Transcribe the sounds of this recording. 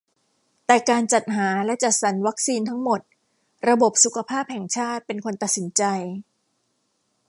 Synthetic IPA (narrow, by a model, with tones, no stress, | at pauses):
t̪ɛː˨˩kaː˧nt͡ɕa˨˩t̪̚ɦaː˩˦lɛ˦˥ʔt͡ɕa˨˩t̪̚sa˩˦nwa˦˥k̚siː˧nt̪ʰa˦˥ŋmo˨˩t̪̚ | ɾa˧bo˨˩p̚su˨˩kʰa˧pʰaː˥˩p̚hɛ˨˩ŋt͡ɕʰaː˥˩t̪̚pe˧nkʰo˧nt̪a˨˩t̪̚si˩˦nt͡ɕa˧j